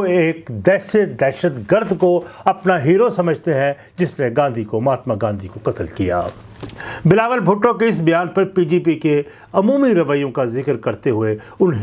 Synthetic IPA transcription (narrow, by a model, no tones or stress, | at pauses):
eːkd̪ɛːʃed̪ɛːʃəd̪ɡəɾd̪ʱkoɐpnaɦiːɾosɐməd͡ʒʱt̪eɦɛ̃ | d͡ʒɪsneɡãːnd̪ʱikomaːt̪maɡãːnd̪ʱikokɐt̪əlkija̰ː | bɪlaːʋəlbʱʊʈːõkeɪs̬bɐjaːnpɐɾpiːd͡ʒiːpike | ɐmuːmiɾɐʋəjõkazɪkəɾkɐɾt̪eɦʊe | ʊnɦ